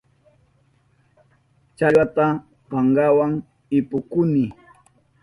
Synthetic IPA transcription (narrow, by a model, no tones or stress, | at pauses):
t͡ʃaʎwat̪a | paŋɢawaŋ | ɪpʊkʊnɪ